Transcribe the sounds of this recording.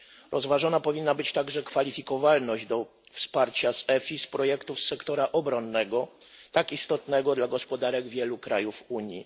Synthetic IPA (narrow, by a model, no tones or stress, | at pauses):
ɾʔɔzvaʐɔnapɔvʲinːabɘt͡ɕt̪aɡʐɛkfalʲifʲikɔvalnɔʑd̪ɔ | fspaɾt͡ɕasɛfʲispɾɔjɛkt̪ufsɛkt̪ɔɾaʔɔbɾɔnːɛɡɔ | t̪akist̪ɔt̪nɛɡɔd̪laɡɔspɔd̪aɾɛɡvʲjɛlukɾajufuɲjḭ